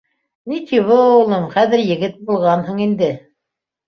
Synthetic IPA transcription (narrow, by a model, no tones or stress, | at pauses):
nit̪ʰiβɤulˠɤɴχæðɘ̆ɾjɘ̆ɡɘt̪̚bulˠʁɑnhɤɴind̪ɘ